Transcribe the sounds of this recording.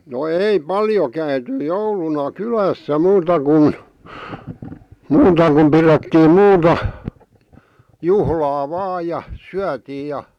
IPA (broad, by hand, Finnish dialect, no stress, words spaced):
no ei pɑljo kæyty joulunɑ kylæsːæ muːtɑ kun muːtɑ kum piretːiːm muːtɑ juhlɑː ʋɑːj jɑ syætiːj̆ jɑ